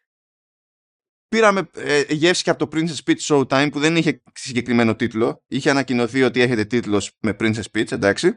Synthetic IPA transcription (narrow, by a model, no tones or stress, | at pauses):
piɾɐme̞ʝe̞fsi̥çeɐpot̪opɾinsespit͡ssolt̪ɐjmpuðe̞niçe̞ | siɲɟe̞kɾime̞no̞t̪it̪lo̞içeɐnɐcino̞θio̞t̪ie̞çe̞t̪e̞t̪it̪lo̞sme̞pɾinsespit͡send̪ɐksi